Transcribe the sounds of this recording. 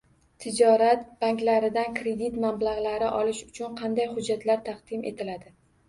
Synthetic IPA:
t̪ʰɪd͡ʒɒɾat̪b̥aŋkʲlaɾɪd̪ankɾe̞d̪it̪mablaʁlaɾɪʔɒlɪʃʊ̥t͡ʃʰʊnqʰɑnd̪ajhʊd͡ʒːat̪laɾt̪ʰɑqd̪̥ɪmʔe̞̰t̪ʰɪlad̪ɪ

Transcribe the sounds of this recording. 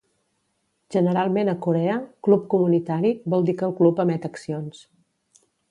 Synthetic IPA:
ʒ̥ənəɾalˠmenəkuɾɛəklup̚kumunit̪aɾiβɔlˠd̪ikəlˠklupəmɛt̪əksions

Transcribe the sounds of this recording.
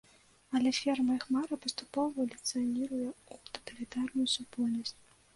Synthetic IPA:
ɐlʲɛfʲɛrmɐxmaɾɐpɐst̪upɔvɐlʲɪt̪sɨjɐnʲiɾujɛut̪ɐ̥t̪ɐlʲit̪arnujusupɔlʲnɐsʲt͡sʲ

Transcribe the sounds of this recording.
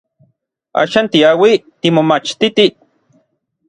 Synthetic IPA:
a̰ːʃaːnt̪iawit̪imomat͡ʃt̪it̪i

